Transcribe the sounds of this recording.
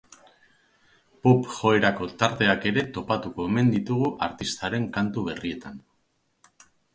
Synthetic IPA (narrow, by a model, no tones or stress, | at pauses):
popxo̞e̞ɾako̞t̪aɾt̪e̞ake̞ɾe̞t̪o̞pat̪uko̞eme̞nd̪it̪uɣuʔaɾt̪ist̪aɾe̞ŋkant̪uβ̞e̞rie̞t̪an